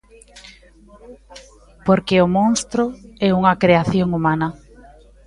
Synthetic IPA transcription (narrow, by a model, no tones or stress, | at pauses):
poɾkɪʊmõnst̪ɾʊɛuŋɐkɾeaθjoŋumanɐ